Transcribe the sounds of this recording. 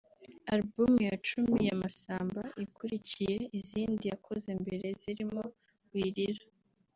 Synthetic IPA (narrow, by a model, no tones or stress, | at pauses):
aɾbumjat͡ʃumijamasaːmbaʔikʰuɾicije̞iziːndijakʰo̞zembe̞ɾe̞ziɾimo̞ | wiːɾiɾa